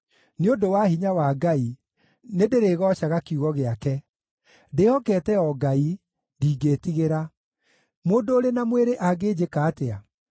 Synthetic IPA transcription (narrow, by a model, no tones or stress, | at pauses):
neondowahiɲawaːɡai | nedeɾeːɣɔɕaɣakiuɣɔɣeakɛ | dehɔkɛtɛɔɡai | diːɡeːtiɣeɾa | moːndoːɾenamweɾeʔaɡed͡ʑekaːtea